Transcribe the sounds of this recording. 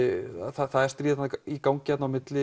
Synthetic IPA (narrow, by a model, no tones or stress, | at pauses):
θaθaðɛɾ̥st̪ɾiːt̪nikaːwŋcɪat̪nawmɪt̪lɪ